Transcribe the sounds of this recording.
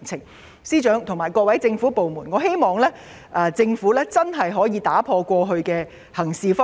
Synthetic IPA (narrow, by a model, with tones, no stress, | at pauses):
t͡sʰɪ˨˩ŋ | siː˥t͡ʃœː˨˥ŋt̪ʰʊ˨˩ŋmaː˨˩jkʷɔː˧k̚wɐ˨˥jt͡sɪ˧ŋfuː˨˥po˨wmuː˨˩nŋɔː˨˧˥ɦe˥jmɔː˨ŋlɛː˥ | ʔːt͡sɪ˧ŋfuː˨˥lɛː˥t͡sɐ˥nɦɐ˨jɦɔː˨˥jiː˨˧t̪aː˨˥pʰɔː˧kʷɔː˧ɦɵ˧ɥkɛː˧ | hɐ˨˩ŋsiː˨fɔ˥